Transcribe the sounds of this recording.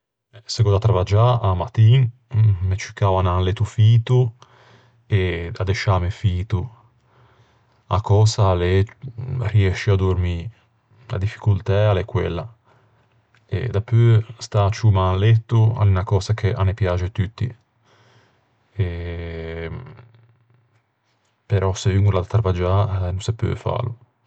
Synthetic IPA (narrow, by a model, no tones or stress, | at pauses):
sekɔd̪at̪ːɾavad͡ʒaamat̪iːnmet͡ʃikavananlet̪ufiːt̪u | ead̪eʃamefiːt̪u | akɔːsalɛ | riɛʃiad̪uɾmi | la̰d̪ifi̥kult̪ɛalɛkwɛlːa | ḛd̪apøst̪at͡ʃumalɛt̪ːua̰linakɔːzakʰeʔanːepjat͡ʃet̪yt̪ːḭ | ɛ | peɾʔɔsevyŋɡulad̪at̪ːɾavad͡ʒanusepø̰fa̰ːlu